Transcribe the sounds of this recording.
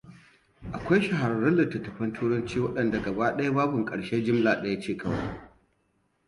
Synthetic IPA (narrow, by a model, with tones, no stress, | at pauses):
ʔa˨kʷa˦jʃɐ˨ɦa˨ɾɐ˦˨ɾɐ˦nlːɐ˨tːɐ˨tːɐ˨ɸɐ˦ntʰuː˦ɽɐ˦nt͡ʃiː˦wɐ˦ɗɐ˨nda˨ɡɐ˨baː˦ɗɐ˦ja˦baː˦bʊ˨ŋkʼɐ˨ɽʃe˦d͡ʒɪ˦mlaː˨ɗɐ˦ja˦t͡ʃeː˦˨kʰɐ˦wa̰˦j